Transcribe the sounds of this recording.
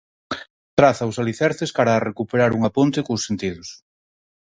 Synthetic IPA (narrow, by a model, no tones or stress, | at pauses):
t̪ɾaθaʊsaliθɛɾθeskaɾaːrekupeɾaɾuŋapont̪ekosːent̪iðʊs